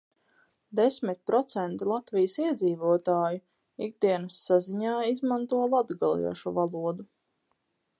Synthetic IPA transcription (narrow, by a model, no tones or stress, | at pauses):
d̪esmit̪̚ʲpɾɔt̪sɛnt̪ilˠat̪vijəsiɛd̪ziːvuɔt̪aːju | iɡ̚d̪iɛnəsːaziɲaːizmant̪uɔlˠad̪ɡalˠḭɛʃuvalˠuɔd̪u